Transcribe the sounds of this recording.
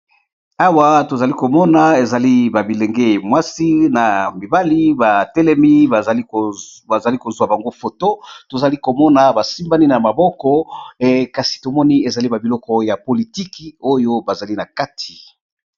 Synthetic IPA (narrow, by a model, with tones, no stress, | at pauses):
a˦wa˦to˨za˨li˦ko˨mɔ˦na˨e˨za˨li˦ba˨bi˨lɛ˨ŋɡe˦mwa˦si˦na˨mi˨ba˦li˦ba˨tɛ˦lɛ˦mi˦ba˨zli˦ba˨za˨li˦ko˨zwa˨ba˨ŋɡo˦fo˨to˦to˨za˨li˦ko˨mɔ˦na˨ba˨si˦mba˦ni˦na˨ma˨bɔ˦kɔ˦ | ka˨si̥˨to˨mɔ˦ni˦e˨za˨li˦ba˨bi˨lɔ˦kɔ˦ja˨po˨li˨ti˦ki˨o˦jo˦ba˨za˨li˦na˨ka˦tʰi̥˨